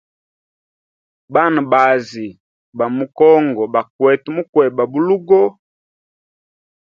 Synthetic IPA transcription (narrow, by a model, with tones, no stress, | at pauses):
ba˦˨nu˨ba˨zi˨ | ba˨mu˨kɔ˦ŋɡɔ˨ba˨kwɛ˨tu˦mu˦kwɛ˨ba˨bu˦lu˦ɡɔ˦